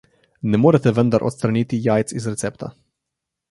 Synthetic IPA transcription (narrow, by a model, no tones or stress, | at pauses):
nɛmoːɾɛt̪ɛʋənd̪aɾʔo̰t̪st̪ɾaniːt̪ijaːjt̪sizɾɛt̪sɛpt̪a̰